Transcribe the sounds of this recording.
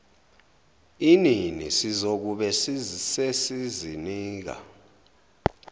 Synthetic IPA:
ininḭsizok̬uɓɛsisesiziniːk̬a̰

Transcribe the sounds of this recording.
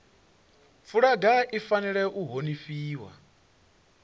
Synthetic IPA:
fuɺaɡaʔifaniɺɛʔuɦonifiːwa̰

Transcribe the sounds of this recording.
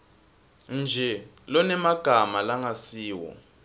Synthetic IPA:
nd͡ʒʱɛlɔnɛmaɡ̥ʱamalaŋasiːwɔ̰

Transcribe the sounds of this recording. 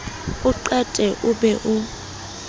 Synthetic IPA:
ʊǃɛtʼɛʔʊbɛʔʊ

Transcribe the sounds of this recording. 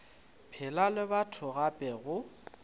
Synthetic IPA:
pʰɪlalɪbatʰʊɣapʼɛɣʊ

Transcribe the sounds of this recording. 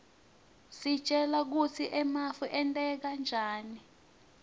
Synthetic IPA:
si̥t͡ʃʼɛlak̬ut͡sʰiʔɛmafuʔɛntʼɛk̬and͡ʒʱaːni

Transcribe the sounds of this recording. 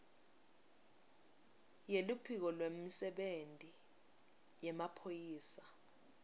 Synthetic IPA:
jelupʰik̬ɔlwem̩sɛɓentʼi | jɛmapʰojiːsḁ

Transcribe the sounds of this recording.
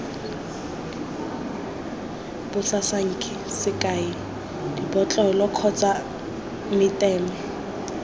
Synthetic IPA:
b̥ʊsasaŋ̩kʰʼɪ | sɪkʼaɪ | dibɔt͡ɬʼɔlɔkʰɔt͡sʼa | mɪtʼɛːmɛ

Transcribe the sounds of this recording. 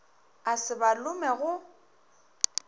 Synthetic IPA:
asɪbalʊmɛɣʊ

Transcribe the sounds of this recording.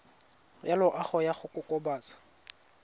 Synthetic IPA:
jalʊʔaχɔjaχʊkʼʊkʼɔbaːt͡sḁ

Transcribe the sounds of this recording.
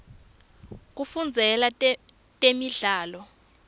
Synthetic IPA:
k̬ufund͡zʱɛla | tʼemiɮaːlɔ

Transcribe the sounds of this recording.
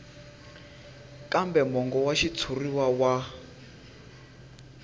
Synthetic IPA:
kʼambɛmɔŋɡɔwaʃit͡sʰuriwawa

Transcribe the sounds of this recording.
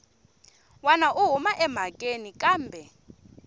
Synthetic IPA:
wanaʔuɦumaʔɛm̤akʼenikʼaːmbʱɛ

